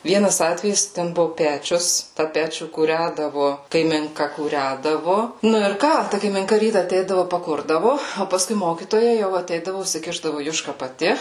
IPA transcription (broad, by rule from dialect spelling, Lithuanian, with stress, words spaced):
ˈʋʲiɛnɐs ˈɑːtʲʋʲɛjɪs tʲɛn ˈbʊʋʊ ˈpʲæːt͡ʃʲʊs tɑː ˈpʲæːt͡ʃʲuː kuːˈrʲædɐʋʊ kɐɪmʲɪŋˈkɐ kuːˈrʲædɐʋʊ ˈnʊ ɪr ˈkɑː ˈtɐ kɐɪmʲɪŋˈkɐ ˈrʲiːtɐ ɐˈtʲɛɪdɐʋʊ pɐˈkʊrdɐʋʊ oː pɐˈskʊɪ ˈmoːkʲiːtoːjɛ jɛʊ ɐˈtʲɛɪdɐʋʊ ʊsʲɪˈkʲɪʒdɐʋʊ ˈjʊʃkɐ pɐˈtʲɪ